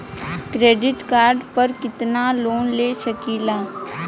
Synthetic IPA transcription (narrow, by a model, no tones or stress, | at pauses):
kɾeːɖɪʈkaːɾɖpɐɾkɪt̪naloːnleːʃɐkiːlaː